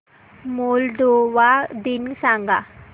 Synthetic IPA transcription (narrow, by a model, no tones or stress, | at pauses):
molɖ̪oʋad̪insãŋɡa